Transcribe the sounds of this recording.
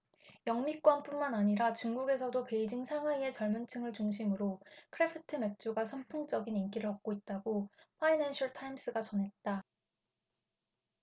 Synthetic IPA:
jʌŋmik͈wʌnp͈unmanaɲiɾat͡ɕuŋɡuɡe̞sʰʌdope̞id͡ʑiŋsʰaŋɦaie̞t͡ɕʌɭmɯnt͡ɕʰɯŋɯɭt͡ɕuŋɕʰimɯɾokʰɯɾe̞pʰɯtʰɯme̞k̚t͡ɕ͈uɡasʰamtʰoŋt͡ɕ͈ʌɡinink͈iɾɯɾʌp̚k͈oit̚t͈aɡoɸʰainanɕʰʌɭtʰaims͈ɯɡat͡ɕʌnɦe̞t̚t͈a

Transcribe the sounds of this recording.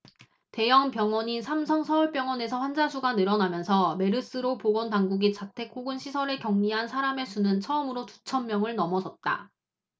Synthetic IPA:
te̞jʌŋpjʌŋwʌɲisʰamsʰʌŋsʰʌuɭp͈jʌŋwʌne̞sʰʌɸwand͡ʑasʰuɡanɯɾʌnamjʌnsʰʌme̞ɾɯs͈ɯɾopoɡʌntaŋɡuɡit͡ɕatʰe̞k͈ʰːoɡɯnɕʰisʰʌɾekjʌŋɲiɦansʰaɾame̞sʰunɯnt͡ɕʰʌɯmɯɾotu̥t͡ɕʰʌmmːjʌŋɯɭnʌmʌsʰʌt̚t͈a̰

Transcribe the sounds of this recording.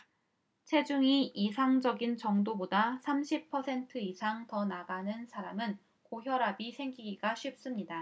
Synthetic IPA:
t͡ɕʰe̞d͡ʑuŋiisʰaŋd͡ʑʌɡint͡ɕʌŋdobodasʰamɕʰipʰʌsʰe̞ntʰɯisʰaŋtʌnaɡanɯnsʰaɾamɯn | koçjʌɾabisʰe̞ŋɡiɡiɡaɕʰɥip̚s͈ɯmɲida

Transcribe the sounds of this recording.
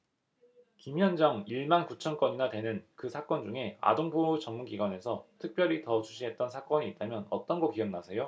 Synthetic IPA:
kimjʌnd͡ʑʌŋiɭmankut͡ɕʰʌnk͈ʌɲinatwe̞nɯnkɯsʰak͈ʌnd͡ʑuŋe̞a̰doŋpʰot͡ɕʌŋmunɡiɡwane̞sʰʌtʰɯk̚p͈jʌɾitʌt͡ɕuɕʰiɦe̞t̚t͈ʌnsʰak͈ʌɲiːt̚t͈amjʌnʌt͈ʌnɡʌkiʌnnasʰe̞jo

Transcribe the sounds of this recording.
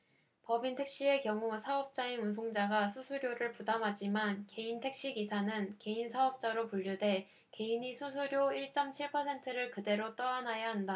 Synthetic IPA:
pʌbintʰe̞k̚ɕ͈ie̞kjʌŋusʰaʌp̚t͡ɕ͈ainuns̬ʰoŋd͡ʑaɡasʰusʰuɾjoɾɯɭpudamɦad͡ʑimanke̞intʰe̞k̚ɕ͈iɡisʰanɯnke̞insʰaʌp̚t͡ɕ͈aɾopuʎːude̞ | ke̞inisʰusʰuɾjoiɭt͡ɕ͈ʌmt͡ɕʰiɭpʰʌsʰe̞ntʰɯɾɯɭkɯde̞ɾot͈ʌɾanajaɦanda

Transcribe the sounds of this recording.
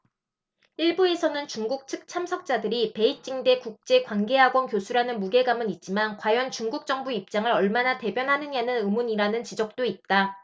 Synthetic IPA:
iɭbue̞sʰʌnɯnt͡ɕuŋɡuk̚t͡ɕʰɯk̚t͡ɕʰamsʰʌk̚t͡ɕ͈adɯɾipe̞it͡ɕ͈iŋde̞kuk̚t͡ɕ͈e̞kwanɡe̞ɦaɡwʌnkjosʰuɾanɯnmuɡe̞ɡamɯnit̚t͡ɕ͈imankwajʌnt͡ɕuŋɡuk̚t͡ɕ͈ʌŋbuip̚t͡ɕ͈aŋɯɾʌɭmanate̞bjʌnɦanɯɲanɯnɯmuɲiɾanɯnt͡ɕid͡ʑʌk̚t͈oit̚t͈a

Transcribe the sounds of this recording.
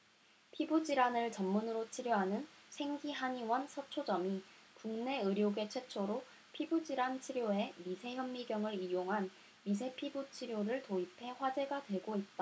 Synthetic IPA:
pʰibud͡ʑiɾanɯɭt͡ɕʌmːunɯɾot͡ɕʰiɾjoɦanɯnsʰe̞ŋɡiɦaɲiwʌnsʰʌt͡ɕʰod͡ʑʌmikuŋne̞ɯɾjoɡe̞t͡ɕʰwet͡ɕʰoɾo | pʰibud͡ʑiɾant͡ɕʰiɾjoe̞misʰe̞çjʌmːiɡjʌŋɯɾijoŋɦan | mis̬ʰe̞pʰibut͡ɕʰiɾjoɾɯɭtoipʰe̞ɸwad͡ʑe̞ɡadwe̞ɡoit̚t͈a

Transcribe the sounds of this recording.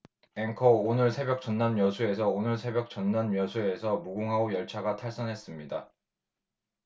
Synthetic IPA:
eŋkʰʌonɯɭsʰe̞bjʌk̚t͡ɕ͈ʌnːanmjʌsʰue̞sʰʌonɯɭsʰe̞bjʌk̚t͡ɕʌnːanmjʌsʰue̞sʰʌmuɡoŋɦaojʌɭt͡ɕʰaɡatʰaɭs͈ʌnɦe̞s͈ɯmɲida

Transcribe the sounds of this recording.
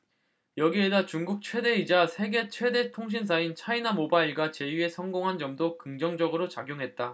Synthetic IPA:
jʌɡie̞dat͡ɕuŋɡuk̚t͡ɕʰwe̞de̞id͡ʑasʰe̞ɡe̞t͡ɕʰwe̞de̞tʰoŋɕ̬ʰins̬ʰaint͡ɕʰainamobaiɭɡat͡ɕe̞ie̞sʰʌŋɡoŋɦand͡ʑʌmdokɯŋd͡ʑʌŋd͡ʑʌɡɯɾot͡ɕaɡjoŋɦe̞t̚t͈a

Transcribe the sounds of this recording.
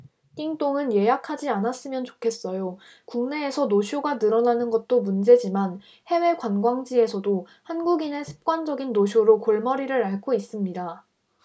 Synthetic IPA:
k͈iŋt͈oŋɯnje̞jakʰad͡ʑianas͈ɯmjʌnt͡ɕo̥kʰe̞s͈ʌjo | kuŋne̞ːsʰʌnoɕʰjoɡanɯɾʌnanɯnɡʌt̚t͈omund͡ʑe̞d͡ʑiman | he̞we̞kwanɡwaŋd͡ʑie̞sʰʌdo | hanɡuɡinesʰɯ̥p̚k͈wand͡ʑʌɡinːoɕʰjoɾokoɭmʌɾiɾɯɾaɭkʰois͈ɯmɲida

